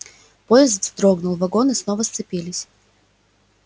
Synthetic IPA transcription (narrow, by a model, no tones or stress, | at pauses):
pojɪzd̪vd̪ɾoɡnʊlˠvɐɡo̞nɨsnovəst̪sɨpʲilʲɪsʲ